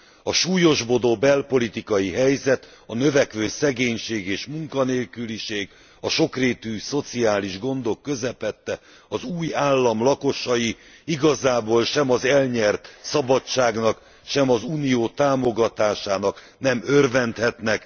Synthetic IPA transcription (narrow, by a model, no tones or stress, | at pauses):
ɒʃuːjo̞ʒbo̞d̪oːbɛlpo̞lit̪ikɒjiɦɛjzɛt̪ | ɒnø̞vɛkʋøːsɛɡeːɲʃeːɡeːʃmuŋkɒneːlkyliʃeːɡ | ɒʃo̞kreːt̪yːso̞t̪siaːliʒɡo̞nd̪o̞kːø̞zɛpɛt̪ːɛ | ɒzuːjaːlːɒmlɒko̞ʃɒji | iɡɒzaːboːlʃɛmɒzɛlɲɛrt̪sɒbɒt͡ʃaːɡnɒk | ʃɛmɒzuːnijoːt̪aːmo̞ɡɒt̪aːʃaːnɒk | nɛmørvɛnt̪hɛt̪nɛk